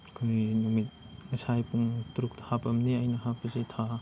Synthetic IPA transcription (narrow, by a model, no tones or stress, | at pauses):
kʰujnumit̪̚ | ŋɐsʰajpuŋtuɾuk̚thapɐmniɐjnɐhap̚ɐzet̪ʰa